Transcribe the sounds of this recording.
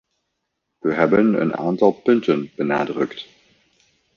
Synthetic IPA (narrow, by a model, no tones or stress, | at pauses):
viːɦɛbənə̰nʔa̰ːntɑlˠpʏntənb̥əna̰ːdʁʏkt